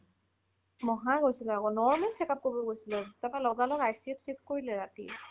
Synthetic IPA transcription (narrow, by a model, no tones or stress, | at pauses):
mɔɦaɡojsilɛakɔnɔɹmɛlsɛkap̚kobɔɡojsilɛtɛpalɔɡalɔkajsipsikkoɹilɛɹatḭ